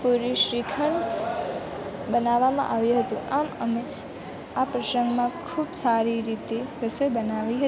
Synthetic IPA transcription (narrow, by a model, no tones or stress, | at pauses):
puɾiʃɾikʰəɳ | bənaʋːamã̰ʔaʋjũɦət̪ũaməme | apɾəsəŋɡmãkʰuːbsaɾiɾit̪eɾəsəjbənaʋiɦə